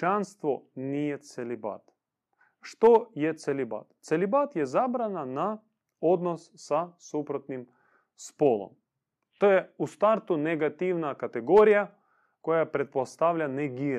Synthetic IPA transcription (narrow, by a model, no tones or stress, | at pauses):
t͡ʃanst̪ʋonijet̪seliba̰t̪ | ʃt̪ojet̪seliba̰t̪t̪selibat̪jezabɾanana | od̪nossasupɾot̪nim | spolˠo̰m | t̪ojeust̪aɾt̪uneɡat̪iʋnakat̪eɡoɾija | kojapɾet̪̚post̪aʋʎaneɡiɾ